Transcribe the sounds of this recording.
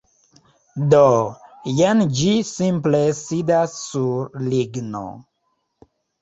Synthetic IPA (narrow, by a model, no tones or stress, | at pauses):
dojend͡ʒisimplesidasːuɾliɡno̰